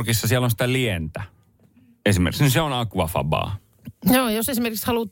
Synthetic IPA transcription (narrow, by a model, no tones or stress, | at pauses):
rkisːɑsielːõnsi̥t̪ælient̪æ | esimḛrkisnyseonɑˑkːuʋɑfɑ̰bɑ̰ː | joːjosesimerkikshɑlut̪ː